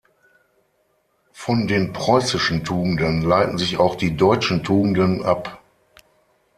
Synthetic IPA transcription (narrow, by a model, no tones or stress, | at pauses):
fɔndeːnpʁ̥ɔʏsɪʃn̩tʰuːɡŋ̩dənlaɪtn̩zɪçaʊxd̥iːdɔʏt͡ʃn̩tʰuːɡŋ̩dənʔa̰p